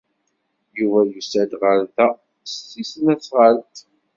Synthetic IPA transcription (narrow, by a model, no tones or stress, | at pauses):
juvæjusæd̪ʁəɾθæ | stːisənæt͡sːʁəlt̪